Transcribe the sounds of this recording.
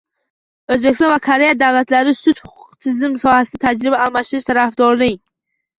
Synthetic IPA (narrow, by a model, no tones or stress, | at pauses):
ɵzbekʲɪst̪ɔ̃nvakʰaɾe̞jad̪avlat̪laɾɪsʊt̪hʊ̥qʰʊ̥qt̪ʰɪzɪmsɒhasɪd̪at̪ʰad͡ʒɾɪbaːlˠmaʃɪɾɪʃt̪ʰaɾafd̪ɒɾlɪŋ